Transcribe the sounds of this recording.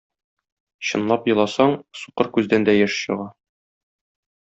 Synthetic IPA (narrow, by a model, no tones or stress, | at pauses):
ɕɤ̆nlˠɑpjɤ̆lˠɑsɑɴsuqɤɾkʉzd̪ænd̪æjɘʃɕɤ̆ʁɑ